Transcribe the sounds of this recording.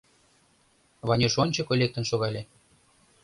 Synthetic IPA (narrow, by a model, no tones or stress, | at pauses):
βɑnʲeʃonʲt͡ɕɤkolʲek̚t̪ə̆nʃoɣɑlʲe